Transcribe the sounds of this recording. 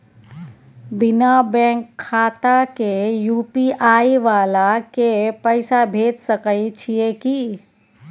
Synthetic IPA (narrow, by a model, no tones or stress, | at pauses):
bɪnabɛ̃ːŋkʰːaːt̪akejuːpiʔaːiʋaːlakepəɪsabʱeːt̪səkəit͡ʃʰiekiː